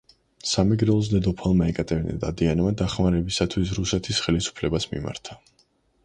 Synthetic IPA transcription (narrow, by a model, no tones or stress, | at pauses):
samɛɡɾɛlˠɔs̬d̪ɛd̪ɔpʰalˠmaɛkʼat̪ʼɛvnɛ̰d̪a̰d̪ianmad̪aχmaɾɛbisat̪ʰwis̬ɾusɛt̪ʰisχɛlisu̥pʰlɛbasmḭma̰ɾt̪ʰa